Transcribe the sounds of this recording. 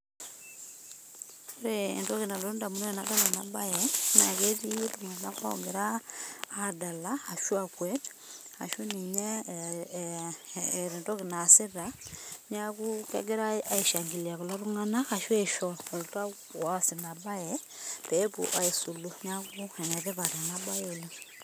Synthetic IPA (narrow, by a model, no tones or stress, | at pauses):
ɾḛːndɔkinalondamunɔnadalanabajɛna̰ketituŋanaka̰ɔɡɛɾaː | dalaaʃuakwɛt | a̰ʃuniɲɛ | ɾendokinasiɾaɲakukɛ̰ɡeɾaaiʃaŋɡiliakulaɾuŋanakaʃwɛʃɔoluta | wasinabajɛ | pepṵʔaesuluɲakuɛnɛðɛβaɾenabajelo